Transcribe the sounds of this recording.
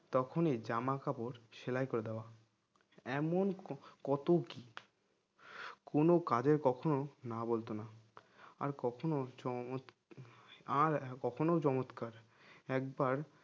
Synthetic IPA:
t̪ɔkʰonid͡ʑamakapoɾʃelajkoɾed̪eoa | ɛmonkɔt̪oki | konokad͡ʑeɾkɔkʰononabolt̪ona | a̰ɾkɔkʰonot͡ɕɔmot̪ | aɾkɔkʰonot͡ɕɔmot̪kaɾ | ɛk̚baɾ

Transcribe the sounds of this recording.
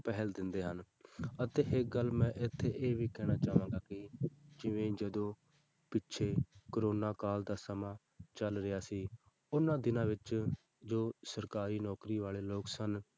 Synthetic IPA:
pɛɦəld̪ɪnd̪eːɦən | ət̪eːɦɪkɡəlːmɛ̃ːʔɪt̪ʰːeːʔeːʋiːkɛːɽ̃aːt͡ʃaːʋãːɡaːkɪd͡ʒɪʋẽːd͡ʒəd̪õː | pɪʃʰeːkəɾoːnaːkaːld̪aːsəmãː | t͡ʃəlɾɪjaːsiː | ʊnãːd̪ɪnãːʋɪt͡ʃ | d͡ʒoːsəɾkaːɾiːnɔːkɾiːʋaːleːloːksən

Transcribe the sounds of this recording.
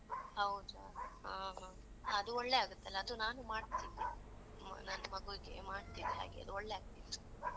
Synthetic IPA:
ɦɐwd̪uɦɐ̃ːɦɐ̃ː | ɐd̪uɔɭːe̞aːɡut̪ːɐlːɐːd̪unaːnumaːɖt̪ini | nɐnːɐmɐɡuɡḛmaːɽt̪ineɦa̰ːɡḛɐ̰d̪uɔɭːe̞aːɡ̚t̪id

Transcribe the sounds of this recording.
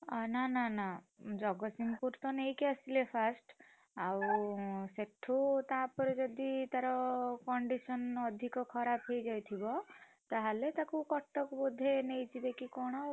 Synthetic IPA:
nanana | d͡ʒɔɡɔsimkuɾt̪ɔnejkeasilepʰasʈ | awseʈʰut̪apɔɾed͡ʒɔd̪it̪aɾɔkɔɳɖisɔnɔd̪ʱikɔkʰɔɾapʰɦejd͡ʒajt̪ʰibɔ | t̪aɦalet̪akukɔʈːɔkbud̪ʱenejt͡ʃʰibekikɔɽ̃ɔ

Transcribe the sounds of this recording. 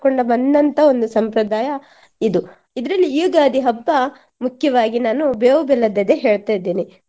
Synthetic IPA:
koɳɖɐbɐnd̪ɐnt̪ʰɐo̞nd̪usɐmpɾɐd̪aːjɐ | id̪u | id̪ɾɐlːiiːɡaːd̪iɦɐbːɐ | mukʰjɐʋaːɡinaːnubeːʋɐbɛlɐd̪ɐd̪eɦeːɭt̪ajd̪iːni

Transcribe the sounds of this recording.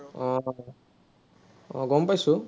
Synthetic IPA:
ɡɔmpajsu

